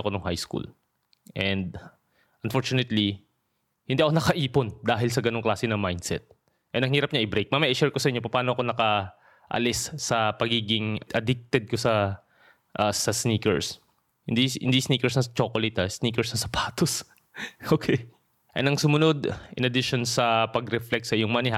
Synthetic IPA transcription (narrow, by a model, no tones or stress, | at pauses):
ɐko̞noŋhajskṵl | ʔɛnd̪̚ | ʔɐnfoɹt͡ʃʊnɛt̪li | hɪnd̪iʔɐkonɐkɐʔiːpond̪aːɦɪlsɐɡɐnoŋklaːsɛnɐmajnd̪sɛ̰t̪̚ | ʔɛnɐŋhiːɾɐp̚ɲaʔɪbɾejk̚mamɐʔɪʃɛɹkosɐʔɪɲːop̬ɐpaːnoɐko̞nɐkɐ | ʔɐ̰lɪsːɐpɐɡiːɡɪŋʔɐd̪ɪk̚t̪ɛd̪̚kosɐ | ʔasɐsniːkɛ̰ɹs | hɪnd̪iɪ̰nd̪isniːkɛɹsnɐsɐt͡ʃoːkolɛt̪ɐsniːkɛɹsnɐsɐpʰaːt̪os | ʔokʰɛj | ʔɛnɐŋsʊmʊno̞d̪ʔɪ̰nɐd̪ɪʃonsɐpɐɡɾɛflɛk̚sɐʔɪjoŋmɐnɛɦa